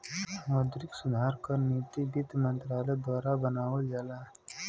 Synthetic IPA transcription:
mɔːd̪ɾɪksʊd̪ʱaːɾkəɾniːt̪ibɪd̪mə̃nt̪ɾaːled̪waːɾabənaːwəld͡ʒalaː

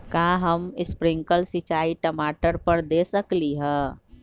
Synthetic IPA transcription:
kaːɦəmɪspɾɪ̃ŋkəlsit͡ʃaːiʈəmaːʈəɾpəɾd̪eːsəkliɦɛ̃ː

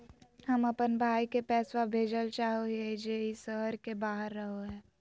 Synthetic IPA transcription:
hɐmɐpənbʱaːikepɛːswabʱeːd͡ʒəlt͡ʃaːɦoed͡ʒeːɪsəɦəɾkebaːɦəɾːəɦoɦɛː

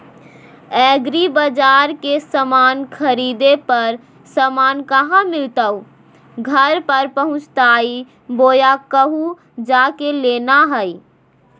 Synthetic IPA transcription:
ɛːɡɾibəd͡ʒaːɾkesəmaːnkʰəɾid̪epəɾ | səmaːnkəɦãmɪlt̪əu | ɡʱəɾpəɾpəɦʊ̃t͡ʃt̪aːi | boːjakəɦu | d͡ʒaːkeleːnaɦəi

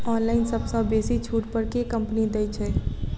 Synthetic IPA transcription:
ɔnlaɪnsəbsə̃besit͡ʃʰuʈpəɾkekəmpnid̪ɛt͡ʃʰɛ

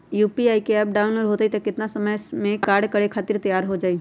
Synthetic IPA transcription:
juːpiaːikeɛp̚ɖaːʊnɾɦot̪ait̪ɐkɪt̪nasəməjmẽkkaːɾɖkəɽekʰaːt̪ɪɾt̪ɐjaːɾɦod͡ʒaːiː

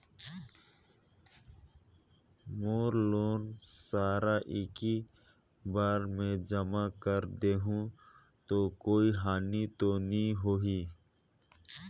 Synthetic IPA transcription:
moːɾloːnsaːɾaʔɪki | baːɾmẽd͡ʒəmakəɾd̪eːɦũ | t̪oːkoːiɦaːnit̪onĩɦoɦiː

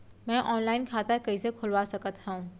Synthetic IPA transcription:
mɛ̃ːʔɔːnlaːɪnkʰaːt̪akɐisekʰʊlʋasɐkət̪ɦɛũː

